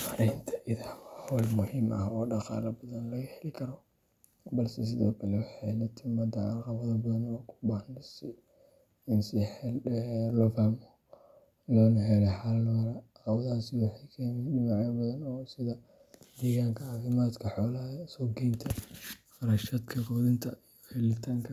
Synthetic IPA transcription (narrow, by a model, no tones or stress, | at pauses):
mɐɾɛjnt̪ʰɐʔɪðɐhwɑːhɔːlmʊhimʔɐ̰ɦɔːɖɑqɑ̰ːlɐbɐðɐnlɐɣɐħɛlɪkʰɐɾɔ | bɐlsɛs̬ɪðɔ̰ːkʰɐlɛwɑħɑnɐt̪ʰɪmɐd̪ɐɑqɑβɐðɐbɐðɐnɔːkʰʊ̥bahnɪsɪ | ɪnsɪħɛllɔːfaːmɔ | laːnʊɦɛlɛħalnɐɾɐɑqɑwɐðaːsɪwɑħɑjkʰɛːmdɪmaʕjɐbɐðɐnɔːsɪðɐ | d̪ɛːɣaːŋkʰɐɑːfɪmaːd̪kʰɐħɔːlɐhɐsɔːɡɛjnt̪ʰɐfɑɾɐʃɐd̪kʰɐkʰɔːðɪnt̪ʰɐijɔfilɪt̪ʰaːŋkʰɐ